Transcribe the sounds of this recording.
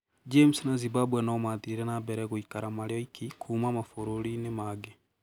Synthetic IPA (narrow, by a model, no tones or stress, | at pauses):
d͡ʒemsnazibabwɛnɔmatiɾɛnabɛɾɛɣoikaɾamaɾjɔikikʰumamafoɾoɾinemaɡe